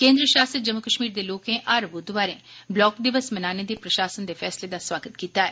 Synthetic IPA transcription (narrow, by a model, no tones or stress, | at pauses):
kẽːnd̪ɾəʃaːsəd͡ʒəmːʊkəʃmiːɾd̪eːloːkẽʔɐɾʋʊd̪ʋaːɾẽːblɔːkd̪ɪʋəsmɐnaːned̪eːpɾɐʃaːsənd̪eːfʰɛːsled̪aswaːɡət̪kiːt̪aːɦɛː